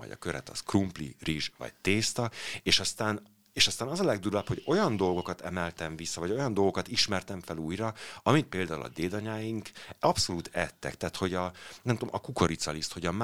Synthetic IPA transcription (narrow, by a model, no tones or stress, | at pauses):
ɒ̰ɟɒ̰køɾɛ̰t̪ɒ̰skrumplḭriʒvɒ̰ɟ̚t̪eːst̪ɒeːʃɒst̪aːn | eːʃɒst̪aːnɒzɒlɛɡ̚d̪uɾɒpho̞ɟo̞jɒnd̪o̞lɡo̞kɒt̪ɛmɛlt̪ɛɱvisːɒvɒɟo̞jɒnd̪o̞lɡo̞kɒt̪iʃmɛrt̪ɛɱfɛluːjrɒɒmit̪̚peːld̪aːṵlɒ̰d̪eːd̪ɒɲaːjiŋkɒpso̞luːt̪ɛt̪ːɛ̰kt̪aːt̪ho̞ɟɒnɛmt̪o̰mʔɒkuko̞ɾit̪sɒlist̪ho̞ɟɒm